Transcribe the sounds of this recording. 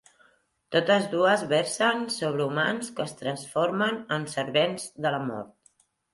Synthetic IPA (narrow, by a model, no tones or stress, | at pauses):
t̪ot̪əzðuəzβɛɾsənsoβ̞ɾəumanskəːst̪ɾənsfoɾmənənsəɾβenzðələmɔ̰ɾt̪̚